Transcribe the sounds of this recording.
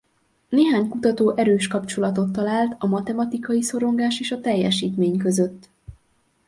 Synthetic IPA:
neːɦaːɲkut̪ɒt̪oːʔɛɾøːʃkɒpt͡ʃo̞lɒt̪o̞t̪ːɒlaːlt̪ɒmɒt̪ɛmɒt̪ikɒjiso̞ɾo̞ŋɡaːʃeːʃɒt̪ɛjːɛʃiːt̪meːɲkøzøt̪ː

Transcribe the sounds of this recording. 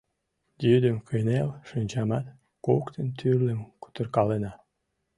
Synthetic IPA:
jyd̪əmkəjnelʃənʲt͡ɕɑmɑt̪ | kokt̪ənt̪ʰyrlə̆mku̥t̪ərkɑlenɑ

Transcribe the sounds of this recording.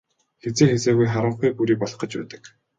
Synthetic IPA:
xet͡seːxet͡seːɣujχaɾə̆ɴχujpuɾiːpɔɮ̆χə̆t͡ɕpæ̰ːt̪ə̥̆k

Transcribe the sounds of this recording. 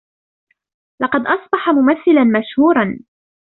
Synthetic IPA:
lɑqɑd̪ʔɑsˤbɑħamʊmaθːɪlanmaʃhuːɾˤɑn

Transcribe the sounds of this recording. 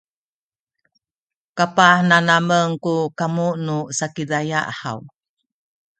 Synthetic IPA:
kapahnanaməŋkukamuʔnusakidaja̰ʔha̰w

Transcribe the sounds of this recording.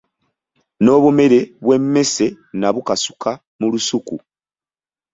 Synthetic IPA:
no̞ːβume̞ɾe̞βwe̞mːe̞se̞ | naβukasu̥kʰa | mulusuku

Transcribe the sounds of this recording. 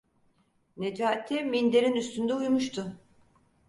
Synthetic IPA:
ned͡ʒaːt̪ʰːɛmind̪eɾinyst̪ynd̪ɛujmuʃt̪ʰʊ

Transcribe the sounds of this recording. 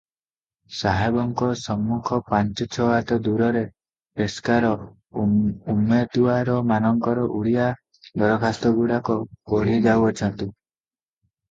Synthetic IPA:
saɦabɔŋkɔsɔmːukʰɔpaɲt͡ʃɔt͡ʃʰɔat̪ɔd̪uɾɔɾe | peskaɾɔ | umet̪uaɾɔmanɔŋkɔɾɔʔuɽija | d̪ɔɾɔkʰast̪ɔɡuɽakɔkoɭ̤id͡ʒawɔt͡ʃʰɔnt̪u

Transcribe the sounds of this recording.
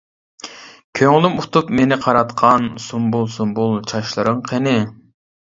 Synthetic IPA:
kʲʰøŋlˠymut̪ʰupmenɪqʰɑɾɑt̪qʰɑnsumbolˠsunbulˠt͡ʃʰɑʃlˠɨɾɨŋqʰenɪ

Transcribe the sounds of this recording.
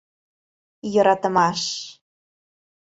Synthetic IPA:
jɤ̆ɾɑt̪ə̆mɑʂ

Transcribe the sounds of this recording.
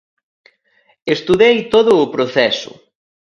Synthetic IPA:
est̪uðejt̪oðʊːpɾoθɛsʊ̰

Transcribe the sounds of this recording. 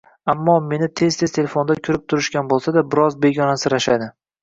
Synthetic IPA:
amːɒme̞nɪt̪ʰe̞zt̪ʰe̞zt̪ʰe̞lefo̞nd̪akʲʰʊɾɪp̚t̪ʰʊɾɪʃkʲanbolˠsad̪abɪɾɒzbe̞ɡʲɒnasɪɾaʃad̪ɪ

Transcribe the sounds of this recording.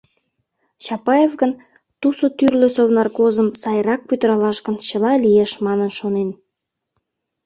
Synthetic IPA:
t͡ɕɑpɑjevɣən | t̪usot̪yrlø̆sovnɑrkozəmsɑjɾɑk̚pyt̪ə̆ɾɑlɑʃɣə̆nt͡ɕəlɑlijeʃmɑnənʃonen

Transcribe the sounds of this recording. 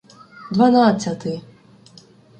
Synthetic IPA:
d̪vanasʲat̪ɨ

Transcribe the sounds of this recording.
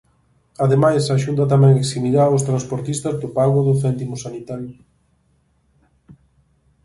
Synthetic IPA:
aðemajsaʃunt̪̬ɐt̪̬amɛ̃ŋeksimiðaʊst̪ɾanspoɾt̪ist̪azðopaɣoðʊθɛnt̪imosanit̪aɾjʊ

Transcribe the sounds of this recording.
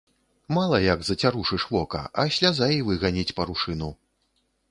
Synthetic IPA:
malˠɐjɐɡzɐt͡sʲaɾuʂɨʂvɔkɐ̰ʔɐɕʲlʲazajivɨɣanʲit͡sʲpɐɾuʂɨnu

